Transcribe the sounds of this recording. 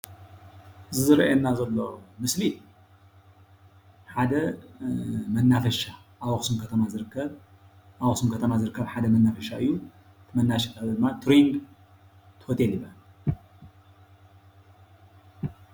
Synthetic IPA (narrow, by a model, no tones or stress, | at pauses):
zɨzɨɾʔenːazɐlːomɨsli | ħad̪ɐ | mɐnːafɐʃa | ʔawoxsumkʰɐt̪ʰɐmazɨɾɨkʰːɐβ | awoxsumkʰɐt̪ʰɐmazɨɾɨkːɐβħad̪ɐmɐnːafɐʃaɨjːu | t̪ʰmɐnːaʃɛ̥kʰaβid̪ɨmːat̪ʰɾiŋɡ | t̪ʰɨhot̪ʰʼelibɐ